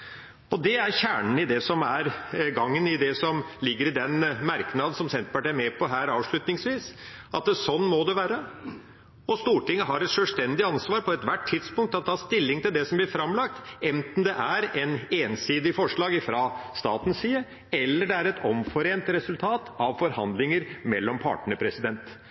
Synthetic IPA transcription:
ɔd̪ɛæɾçæːɳən̩ɪd̪ɛsɔmæɾɡɑŋːənɪd̪ɛsɔmlɪɡːəɾɪd̪ɛnmæɾknɑːd̪n̩sɔmsɛnt̪əpɑʈiːæɾmɛpʰɔɦæːɾɑːʋʂɭʉt̪nɪŋsʋiːsɑt̪̚d̪ɛsɔnːmɔd̪ɛʋæːɾə | ɔst̪uːʈɪŋːəɦɑɾɛt̪ʂølst̪ɛnd̪ɪɑnsʋɑːɾpʰɔɛt̪ʋæʈʰːɪd̪spʊŋkt̪ɑt̪̚t̪ʰːɑːst̪ɪlːɪŋt̪ɪld̪ɛsɔmblɪɾfɾɑmlɑk̚t̪ɛnt̪n̩d̪ɛʔæɾɛneːnsiːd̪ɪfɔʂɭɑːɡɪfɾɑst̪ɑ̰ːt̪n̩siːə | ɛlːəɖɛæɾɛt̪ʰɔmfɔɾeːnt̪ɾɛsʉlt̪ʰɑːt̪ɑʋfɔɾhɑnd̪lɪŋəɾmɛlːɔmpʰɑ̰ːʈɳəɳəpʰɾɛsɪd̪ɛnt̪

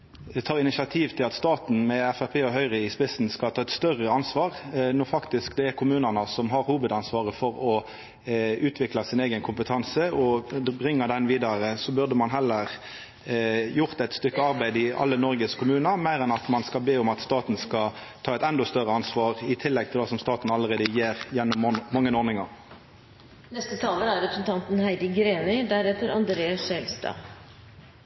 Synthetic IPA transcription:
t̪ʰɑːʁɪnɪsɑt̪ʰiːʋt̪ʰɪlɑt̪st̪ɑːt̪n̩mɛɛfæpʰeːɔɦœʏʁɪɪspɪsn̩skɑt̪ʰɑːɛt̪st̪œʁəɑnsʋɑːʁnɔfɑkt̪ɪskd̪ɛɛɾkʰʊmʉːnənəsɔmɦɑɾhuːʋəd̪ɑnsʋɑːʁəfɔɾɔ | ʉːt̪ʰʋɪklɑsɪneɪɡənkʰʊmpət̪ʰɑnsəɔbʁɪŋːəd̪ɛnʋiːd̪ɑʁəsɔbʉʁd̪əmɑnɦɛlːəʁ | jʊʁt̪ɛt̪st̪ʏkːəɑʁbæɪd̪ɪɑ̰lːənɔɾɡəskʰʊmʉːnɑmæɪʁɛnɑt̪mɑnskɑlbeːʊmɑt̪st̪ɑːt̪n̩skɑ | t̪ʰɑːɛt̪ɛnd̪ɔst̪œʁəɑnsʋɑːʁɪt̪ʰɪlːɛɡ̚t̪ʰɪld̪ɑsɔmst̪ɑːt̪n̩ɑləʁeːd̪əjeːʁjɛnːɔmːɑŋːənɔɾʁnɪŋɑʁ | nɛst̪ət̪ʰɑːləæɾɾɛpɾəsn̩t̪ɑnt̪n̩hæɪd̪ɪɡɾeːnɪd̪æɾɛt̪əɾɑnd̪ɾeːɑsɛlst̪ɑ̰ː

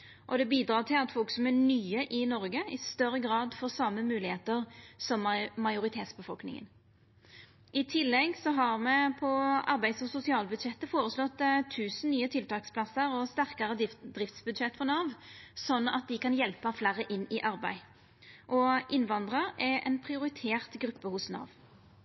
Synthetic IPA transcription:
ʔɔd̪ɛbiːd̪ɾɑːʁt̪ʰɪlɑt̪fɔlksɔmɛnyːəʔɪnɔʁɡəɪst̪œɾːəɡɾɑːd̪fɔːsɑməmʉːlɪheːt̪əʁsɔmmɑɪjʊɾɪt̪ʰeːt̪sbəfɔlknɪ̰ŋə̰n | ʔɪt̪ʰɪlːɛɡsɔɦɑʁmɛpʰɔɑ̰ɾbæɪd̪sɔsʊsɪɑːlbʉd̪ʃɛt̪ːəfoːɾəslɔt̪ːt̪ʰːʉːsn̩nyːət̪ʰɪlt̪ʰɑːkspʰlɑsəʁɔst̪æʁkɑʁəd̪ʁɪft̪sbʉd̪ʃɛt̪ːfɔnɑːʋsɔnɑ̰t̪̚d̪ɪkɑnjɛlpəflæʁəʔɪnːɪʔɑɾbæɪ | ʔɔʔɪnʋɑnd̪ʁəɾɛʔɛ̰npʰʁɪʊɾɪt̪ʰeːʁt̪ɡɾʉpːəhʊsnɑ̰ːʋ

